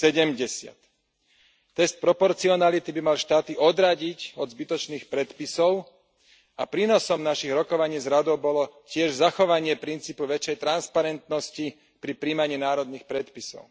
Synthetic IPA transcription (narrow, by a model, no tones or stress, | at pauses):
sɛɟɛmɟɛsɪa̰t̪ː | ɛst̪̚pɾɔpɔɾt͡siɔnalit̪ibimalʃt̪aːt̪iʔɔd̪ɾaɟicɔd̪zbit̪ɔt͡ʃniːxpɾɛt̪pisɔʊ | apɾiːnɔsɔmnaʃiɣɾɔkɔʋaɲiːzɾad̪ɔʊbɔlɔcɪɛʒzaxɔʋaɲɪɛpɾint͡siːpuʋɛt͡ʃɛjt̪ɾanspaɾɛnt̪nɔsci | pɾipɾiːmaɲiːnaːɾɔd̪nixpɾɛt̪pisɔ̰ʊ